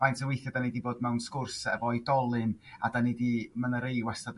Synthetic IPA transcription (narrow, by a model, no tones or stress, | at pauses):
majntʰəwejθjadanejdiboːd̚mɛwnskʊrsɛ̰vɔidɔlˠɨnadanedimanəɾejwɛsad